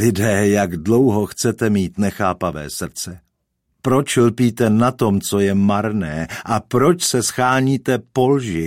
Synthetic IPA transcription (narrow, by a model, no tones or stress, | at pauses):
lɪdɛːjaɡdlo̞wɦoxt͡sɛt̪ɛmiːt̪nɛxaːpavɛ̰ːsr̩t͡sɛ | pɾo̞t͡ʃlpiːt̪ɛnat̪o̞mt͡so̞jɛmaɾnɛːʔapɾo̞t͡ʃsɛsxaːɲiːt̪ɛpo̞lʒɪ